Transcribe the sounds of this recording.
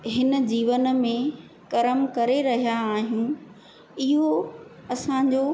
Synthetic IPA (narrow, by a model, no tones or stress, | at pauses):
ɦɪnəd͡ʑiːʋənmẽ | kɐɾəmkɐɾeɾɐɦijaːɦijũː | ɪɦo | ɐsãɲd͡ʑoː